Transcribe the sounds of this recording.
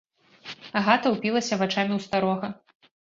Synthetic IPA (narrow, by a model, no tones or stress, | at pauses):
aɣat̪ɐwpʲilˠɐsʲɐvat͡ʂamʲiwst̪aɾɔɣɐ